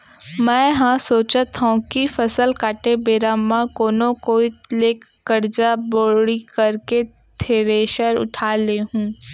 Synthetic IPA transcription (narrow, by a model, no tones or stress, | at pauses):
mɛ̃ːɦãsoːt͡ʃət̪ɦũkifɐsəlkaːʈebeːɾamãkoːnõkoileːk | ɡɐɾd͡ʒaboːɽikɐɾke | t̪ʰeːɾeːʃəɾʊ̰ʈʰaːleɦũː